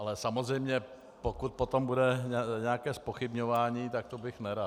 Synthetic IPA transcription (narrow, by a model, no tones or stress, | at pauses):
ʔalɛsamozrɛjmɲɛ | pokut̪̚pot̪ombudɛɲɲɛakɛːspoxɪbɲovaːɲiːt̪ak̚t̪obɪxnɛɾat